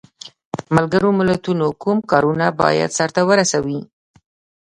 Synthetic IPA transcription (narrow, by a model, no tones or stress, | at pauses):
malɡəɾomɪlat̪unokumkɑɾunabɑ̰ja̰d̪saɾt̪awəɾasawi